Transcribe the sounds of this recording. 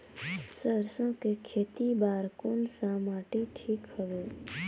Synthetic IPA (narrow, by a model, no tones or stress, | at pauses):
səɾsõkekʰeːt̪ibaːɾkoːnsãmaːʈeʈʰiːkhəʋeː